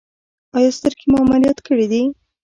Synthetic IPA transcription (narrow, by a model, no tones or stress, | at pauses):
ɑjɑst̪əɾkemuamalijɑt̪kəɽid̪i